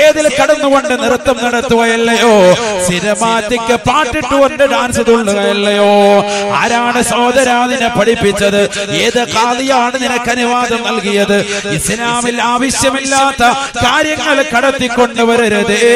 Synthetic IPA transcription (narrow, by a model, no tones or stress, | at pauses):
eːðilkɐɽɐnːuɣo̞ɳɖɨnirɐt̪ːɐmnɐɽɐt̪ːuɣɐjɐlːɐjo̞ːsinɐmaːt̪ːikʲːɨpaːʈːiʈːuɣo̞ɳɖɨd̪aːnsiðuɭːuɣɐjɐlːɐjo̞ːa̰ːɾaːɳɨso̞ːd̪ɐɾaːðinɨpɐɽipːit͡ɕːɐðɨeːðɨkaːlijaːɳɨninɐkːɐniʋaːd̪ɐmnɐlkijɐðɨisinaːmilaːʋɐɕjɐmilːaːt̪ːɐkaːɾjɐŋːɐɭekɐɽɐt̪ːikːo̞ɳɖuʋɐɾɐɾɐðe